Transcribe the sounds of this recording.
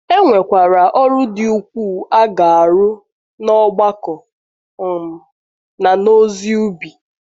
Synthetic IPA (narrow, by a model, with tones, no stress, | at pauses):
e˦ŋʷe˨kʷa˨ɾa˨ʔɔ˦ɾʊ˦dɪ˨u˨kʷu˦˨a˦ɡa˨a˨ɾʊ˦ | nɔ˦ɡ͡ba˦kɔ˨ | m̩˨ | na˨no˦zi˦u˦bi˨